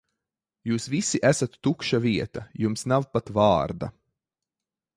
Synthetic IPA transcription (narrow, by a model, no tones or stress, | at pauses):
juːsvisiʔæsat̪ːukʃaviɛt̪ajumsnawpat̪vɑːɾd̪a̰